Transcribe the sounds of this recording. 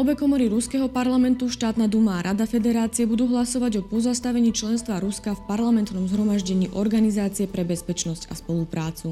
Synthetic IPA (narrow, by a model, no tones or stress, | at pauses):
ɔbɛkɔmɔɾiɾuskɛɦɔpaɾlamɛnt̪uʃt̪aːt̪nad̪umaːɾʔad̪afɛd̪ɛɾaːt͡siɛbud̪uːɦlasɔʋaɟɔpɔzast̪aʋɛɲiːt͡ʃlɛnst̪ʋaɾuskafpaɾlamɛnt̪nɔmzɦɾɔmaʒɟɛɲiːʔɔɾɡanizaːt͡siɛpɾɛbɛspɛt͡ʃnɔsca̰spɔlupɾaːt͡su